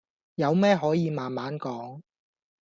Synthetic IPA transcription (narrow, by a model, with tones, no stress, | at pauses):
jɐ˨˧wmɛː˥ɦɔː˨˥jiː˨˧maː˨nmaː˨˥nkɔː˨˥ŋ